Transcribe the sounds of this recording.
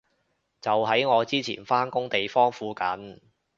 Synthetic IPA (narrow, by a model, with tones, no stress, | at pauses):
t͡sɐ˨wɦɐ˨˥jŋɔː˨˧t͡siː˥t͡sʰḭː˨˩nfaː˥nkʊ˥ŋt̪e˨jfɔː˥ŋfuː˨˥kɐ˨˥n